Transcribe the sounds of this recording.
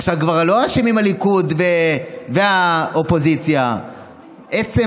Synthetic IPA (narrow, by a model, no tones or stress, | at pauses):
aχʃavkvaʁlo̞aʃimimalikudveveaopo̞zit͡sja | ʔet͡se